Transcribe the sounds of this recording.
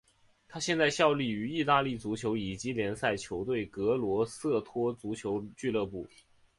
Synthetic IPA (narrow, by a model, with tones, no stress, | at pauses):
t̪ʰa˥ɕjɛ˥˧nt͡sa˥˧ɪɕjɑ˥˧ʊli˥˩y˧˥i˥˧t̪a˥˧li˥˩t͡su˧˥t͡ɕʰjo˧˥ʊi˨˩t͡ɕi˧˥ljɛ˧˥nsa˥˩ɪt͡ɕʰjo˧˥ʊt̪we˥˩ɪkɤ˧˥lwɔ˧˥sɤ˥˩t̪ʰwɔ˥t͡su˧˥t͡ɕʰjo˧˥ʊt͡ɕy˥˧lɤ˥˧pu˥˩